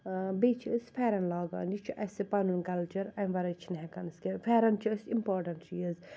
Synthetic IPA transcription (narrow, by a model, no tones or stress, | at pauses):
bet͡ʃʰisfʰɛɾɐnlaːɡa̰ːnit͡ʃʰuʔɐsepɐnunkɐlt͡ʃɐɾɐ̃ʋɐɾɐt͡ʃʰinɦɛkɐnskefʰɛːɾɐnt͡ʃʰisimpoːɾʈɐniiz